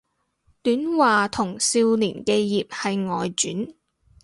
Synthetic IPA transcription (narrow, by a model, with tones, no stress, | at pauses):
t̪yː˨˥nwaː˨t̪ʰʊ˨˩ŋsiː˧wliː˨˩nkeː˧jiː˨p̚hɐ˨jŋɔː˨jt͡ʃyː˨˥n